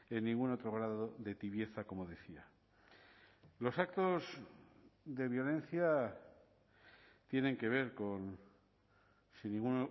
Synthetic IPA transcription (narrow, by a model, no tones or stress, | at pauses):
e̞nːĩŋɡuno̞t̪ɾo̞ɣ̞ɾaðooðe̞t̪iβje̞θako̞mo̞ðe̞θia | lo̞sakt̪o̞z | d̪e̞βjo̞le̞nθja | t̪je̞ne̞ŋke̞β̞e̞ɾko̞n | sinːĩŋɡun